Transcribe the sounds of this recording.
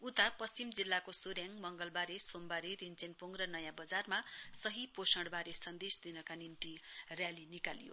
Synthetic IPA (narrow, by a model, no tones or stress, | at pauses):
ut̪apʌst͡simd͡zilːakosoɾjaŋmʌŋɡʌlbaɾesombaɾerint͡senpoŋɡrʌnʌjãbʌd͡zarmasʌɦiposʌɽbaɾesʌnd̪esd̪inʌkanimt̪irjalinikalijo̰